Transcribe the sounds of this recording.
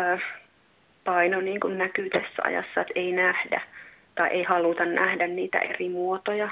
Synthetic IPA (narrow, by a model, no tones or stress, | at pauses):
pɑinoniːŋkunnækyːt̪æsːæɑ̰jɑ̰sːɑet̪einæhdæ̰ | t̪ɑiʔeihɑlut̪ɑnnæhdænniːt̪æ̰ʔerimuot̪ojɑ